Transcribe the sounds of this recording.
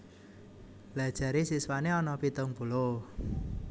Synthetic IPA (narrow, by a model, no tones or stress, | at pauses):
lad̥ʒ̥a̤ɾesiswaneɔnɔpit̪ʊŋb̥ṳlo